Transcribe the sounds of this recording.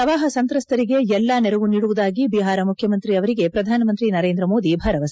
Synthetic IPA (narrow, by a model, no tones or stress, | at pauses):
ɐʋaːɦɐsɐnt̪ɾɐst̪ʰɐɾiɡe̞ɛlːɐnɛɾɐʋuniːɽuʋud̪aːɡibiɦaːɾɐmukʰjɐmɐnt̪ɾiɐʋɐɾiɡe̞pɾɐd̪ʱaːnɐmɐnt̪ɾinɐɾeːnd̪ɾɐmo̞ːd̪ibʱɐɾɐʋɐs